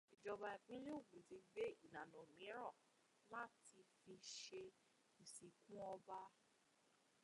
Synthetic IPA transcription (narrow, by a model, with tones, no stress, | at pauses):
i˨d͡ʒɔ˧ba˧˨i˨k͡pĩ˦le˦u˦˨ɡ͡bũ˨ti˧ɡ͡be˦i˦˨nã˨nɔ̃˨mĩ˨˦ɾa˦˨ | mã˦ti˧fi˧ʃe˧˨ | si˨kũ˦ɔ˧ba˦